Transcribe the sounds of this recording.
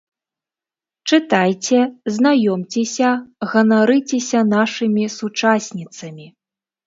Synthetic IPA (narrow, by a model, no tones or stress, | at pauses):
t͡ʂɨt̪ajt͡sʲɛznajɔmt͡sʲɛsʲɐɣɐnaɾɨt͡sʲɛsʲɐnaʂɨmʲisut͡ʂasʲnʲit̪sɐmʲi